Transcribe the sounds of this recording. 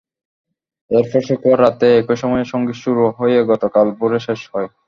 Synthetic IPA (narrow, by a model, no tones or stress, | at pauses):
eɾfɔɾʃokʰuaɾːat̪eekoʃɔmɔjeʃɔŋɡiʃuɾuɦojeɡɔt̪okalpuɾeʃeʃhɔe